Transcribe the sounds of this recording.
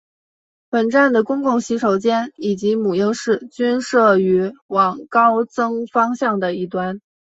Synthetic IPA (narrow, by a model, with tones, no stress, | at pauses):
pə˨˩nʈ͡ʂa˥˩nd̪ə˩kʊ˥ŋkʊ˥˩ŋɕi˧˥ʂʰo˧˩ʊt͡ɕjɛ˥ni˨˩t͡ɕi˧˥mu˨˩jɤ˥˧ŋʂɻ̩˥˩t͡ɕy˥nʂɤ˥˩y˧˥wɑ˨˩ŋkɑ˥ʊt͡sɤ˥ŋfɑ˥ŋɕjɑ˥˩ŋd̪ə˩i˥˩t̪wa˥n